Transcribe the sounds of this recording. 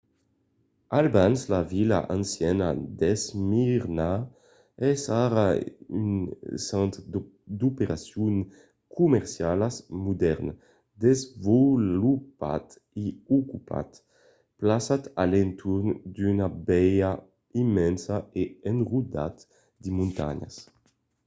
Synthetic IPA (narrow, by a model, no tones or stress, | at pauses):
albanslavila̰ʔansjɛna̰d̪ezmiɾna | ɛsaɾay̰nsant̪d̪upeɾasjun | kʰumɛɾsjalasmud̪ɛɾn | d̪ezvolupa̰t̪ | iukupa̰t̪ | plasat̪alent̪ʰuɾnd̪ynabɛja | imːɛnsaeenrud̪a̰t̪ | d̪imũnt̪a̰ɲa̰s